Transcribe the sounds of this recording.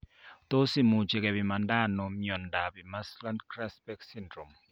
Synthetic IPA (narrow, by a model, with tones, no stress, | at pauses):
t̪o˦si˦mu˨t͡ʃe˨ke˨bi˨ma˨nda˦nɔ˨miɔ˨nda˨bi˨ma˦sla˦nkɾa˦spɛ˦ksi˦ndɾo˨m